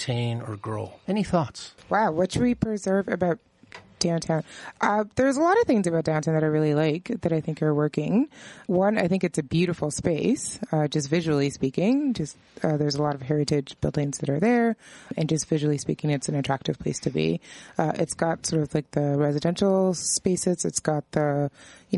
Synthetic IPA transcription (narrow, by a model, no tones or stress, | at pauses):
tʰẽɪ̃nə̰˞ɡɹo̰ʊɛniθɔtswaʊwʌt͡ʃwipʰɹ̥ɨzɜ˞vɨbaʊt̚ | d̥ãʊ̃ntʰãʊ̃nʔʌðə˞zəlɔɾʌv̥θɪ̃ŋzɨbaʊt̚d̥ãʊ̃ntʰãʊ̃nðɨɾaɪɹɪlˠilaɪkðɨɾaɪθɪ̃ŋkə˞wɜ˞kɪ̃ŋwʌ̃naɪθɪ̃ŋkɨtsɨbjʉɾɨfl̩ˠspeɪsʌd͡ʒʌstvɪʒɨl̩ˠispikɪ̃ŋd͡ʒʌst | ʌðə˞zəlɔɾʌv̥ɦɛɹɨɾɪd͡ʒb̥ɪ̰lˠdɪ̃ŋzðɨɾə˞ðə˞ɨ̃nd͡ʒʌstv̥ɪʒl̩ˠispḭkɪ̃ŋɨtsn̩ɨtʰɹ̥æk̚tɨv̥pʰl̥eɪstʰɨbḭʌʔɪtsɡ̥ɑtsɔɹɾʌvlaɪk̚ðɨɹɛzɨdɛ̃nʃl̩ˠspeɪsɨzɨ̰tsɡ̥ɑt̪̚ðəjɨ